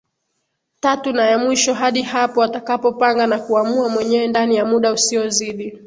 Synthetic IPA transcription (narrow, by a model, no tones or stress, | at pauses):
tatunajamwiʃɔɦaɗihapɔatakapɔpaŋɡanakuamuamwɛɲɛwɛndanijamuɗausiɔziɗi